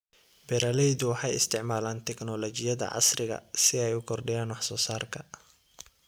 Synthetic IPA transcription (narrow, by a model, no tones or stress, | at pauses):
bɛɾalɛjðʊwɑħɑjɪ̰st̪ʰɪʕmaːlaːnt̪ʰɛɡnɔlɔt͡ʃɪjɐðɐ̰ʕɑ̰srɪɣɐ̰sɪɛjʊkʰɔrɖɪjaːnwɑħsɔːsaːrkʰɐ